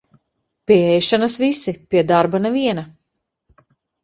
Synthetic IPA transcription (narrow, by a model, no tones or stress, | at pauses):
pʲiɛɛjʃanɐsvisipiɛd̪aɾbanɛviɛna